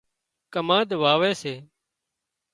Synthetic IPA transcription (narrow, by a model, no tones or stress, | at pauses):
kəmãːd̪ʋaːʋeːseː